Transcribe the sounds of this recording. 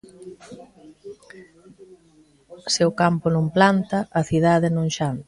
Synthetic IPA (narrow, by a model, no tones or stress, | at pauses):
seʊkampʊnõŋplant̪ɐʔɐθið̞aðenõŋʃant̪